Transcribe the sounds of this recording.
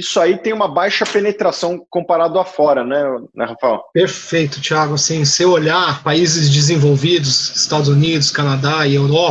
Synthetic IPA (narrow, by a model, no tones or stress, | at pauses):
isʊait̪ẽj̃ũmɐbajʃɐpenet̪ɾasɐ̃w̃kõpaɾad̪ʊafɔɾɐnɛnɛ̰hafa̰wpeɾfejt̪ʊ̥t͡ʃiaɡʊasĩsewoʎaɾpaizɪzd͡ʒɪzẽvowvid̪ʊzɪst̪ad̪ʊzunid̪ʊskanad̪aiewɾɔ